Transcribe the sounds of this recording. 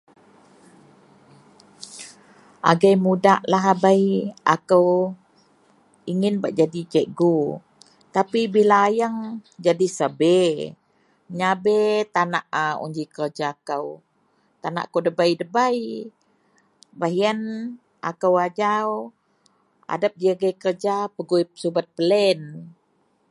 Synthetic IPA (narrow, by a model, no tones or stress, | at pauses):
ʔa̰ɡajmudaʔlaɦabajʔa̰kəw | iŋɪnbaʔd͡ʒadit͡ʃɛʔɡu | t̪apibilaːjəŋd͡ʒadisəbɛ | ɲabɛt̪anaʔəṵɲd͡ʒikərd͡ʒaːkəw | t̪ana̰ʔakəwdəbajdəbaj | baɦian | a̰kəwad͡ʒaw | a̰dap̚diaɡajkərd͡ʒapəɡujpə̥subat̪̚pəlɛn